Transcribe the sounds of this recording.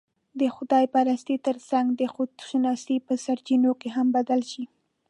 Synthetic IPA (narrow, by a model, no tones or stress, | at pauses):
d̪əxʊd̪ɑjpɑɾast̪it̪əɾsaŋɡd̪əxʊd̪ʃunɑst̪ipəsaɾt͡ʃinokeɦambad̪alʃi